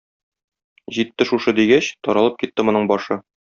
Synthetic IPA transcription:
ʑit̪ːɘʃuʃɤd̪iɡæɕt̪ɒɾɑlˠɤp̚kit̪ːɘmŏnɤɴbɒʃɤ

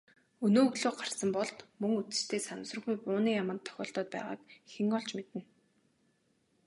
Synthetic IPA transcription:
ɵnoːɣɮoːɢarsə̆mpɔɮt̪mɵŋut͡sɘ̥̆t͡ɕt̪ʰeːsamsrə̆ɣujpʊːniːjamə̆nt̪ʰːœ̥xʲɔ̰ːɬt̪ɔːt̪̚pæ̰ːʁa̰ːkxeŋɔɮt͡ɕmet̪ɘ̆n

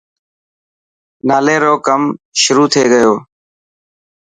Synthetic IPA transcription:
naːleːɾoːkəmʃʊɾuːt̪ʰeːɡəjoː

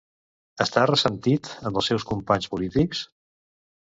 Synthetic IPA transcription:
əst̪arəsənt̪it̪əməlˠsɛwskumpaɲspulit̪iks

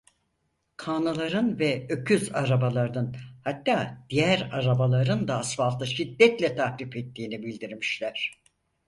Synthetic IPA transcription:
kʰaːnalˠaɾɯnvɛøcʰyzaɾabalˠaɾd̪anhat̪ːaːd̪̥ijæɾaɾabalˠaɾɯnd̪aːsfalˠt̪ʰɯʃid̪ːɛt̪lʲɛt̪ʰahlʲifɛt̪ʰːiːnibilʲd̪iɾmiʃlʲæɾ̥

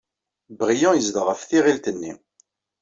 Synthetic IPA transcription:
bʁijɑ̃jəzd̪ʁəfθiʁilt̪ənːḭ

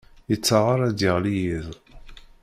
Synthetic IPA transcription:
jət͡sːɑʁəɾˤæd̪ɪʁlijið

